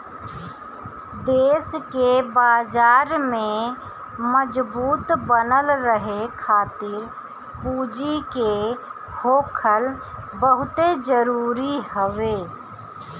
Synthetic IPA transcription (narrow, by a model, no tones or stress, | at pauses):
d̪eːskebaːd͡ʒaːɾmẽ | məd͡ʒbuːt̪bənəlɾəɦekʰaːt̪ɪɾ | puːd͡ʒike | hoːkʰəl | bəɦʊt̪ed͡ʒəɾuːɾiɦəʋeː